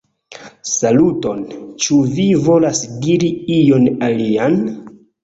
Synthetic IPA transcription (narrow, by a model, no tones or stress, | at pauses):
saluto̞nt͡ʃuvivo̞lasdiɾiijo̞nalian